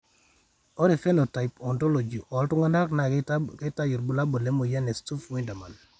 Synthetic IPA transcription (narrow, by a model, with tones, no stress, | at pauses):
o˦ɾe˨fe˦no˨ta˨ipɔ˨nto˦lo˨d͡ʒi˨ʔɔ˨ltu˦ŋa˦nda˦kna˨ke˦ta˦ji˨ɾbu˨la˦bo˨le˦mo˨ja˦ne˨stu˦fwi˦nda˨ma˨n